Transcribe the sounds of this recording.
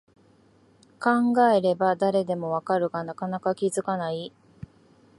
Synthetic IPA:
kãŋɡae̞ɾe̞bad̪aɾe̞d̪e̞mo̞βakaɾɯ̟ɡanakanakakʲizɨkanai

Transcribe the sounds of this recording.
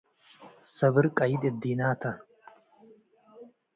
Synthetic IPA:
sɐbɨɾkʼɐjid̪ed̪iːnaːt̪ʰɐ

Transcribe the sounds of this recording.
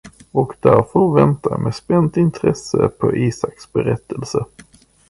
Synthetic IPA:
ɔkd̪æɾfəɾvɛnt̪ameːspɛnt̪ɪnt̪ʰɾɛsəpʰɔʔiːsaksbɛɾɛt̪ʰːəlsə

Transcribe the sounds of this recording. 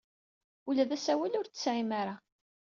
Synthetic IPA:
ulæðæsæwælʊɾt͡sːə̥sʕimaɾa

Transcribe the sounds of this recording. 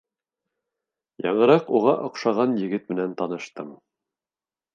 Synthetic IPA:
jɑɴɤ̆ɾɑquʁɑʔŏqʃɑʁɑnjɘ̆ɡɘt̪mɘ̆nænt̪ɑnɤ̆ʃt̪ɤm

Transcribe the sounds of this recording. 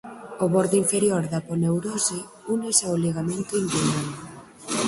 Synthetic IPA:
oβoɾðoiɱfeɾjoɾðaponewɾose | unesaoliɣamẽnt̪oind̪enan

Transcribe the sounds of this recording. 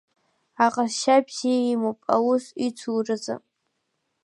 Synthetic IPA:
aqʼasʃabz̥iimopʼa̰wusit͡sʷʰurɨza̰

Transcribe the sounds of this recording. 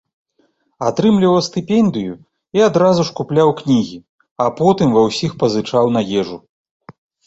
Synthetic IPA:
at̪ɾɨmlʲivɐɐst̪ɨpʲɛnd̪ɨju | iad̪ɾazuʂkuplʲawknʲiɣʲi | apɔt̪ɨmvɐwsʲixpɐzɨt͡ʂawnɐjɛʐu

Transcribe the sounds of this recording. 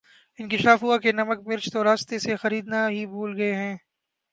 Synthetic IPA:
ɪ̃nkɪʃaːfɦʊakenɐmək̚mɪɾt͡ʃt̪oɾaːst̪esexɐɾiːd̪naɦibʱuːlɡɐeɦɛ̃ː

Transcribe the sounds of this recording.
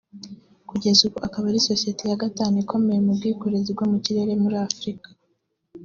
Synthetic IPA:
kuɟe̞zukoakaβaɾiso̞sije̞tejaɡataːnikʰo̞me̞jemubɡiːkoɾezibɡomuciɾeɾe̞muɾiafɾikḁ

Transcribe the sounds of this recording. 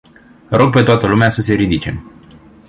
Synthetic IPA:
ɾo̞ɡ̚pe̞t̪oat̪əlumeasəse̞ɾid̪it͡ʃe̞̰m

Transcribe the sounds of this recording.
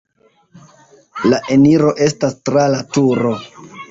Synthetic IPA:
laʔe̞niɾo̞ʔe̞stastɾalatuɾo̞

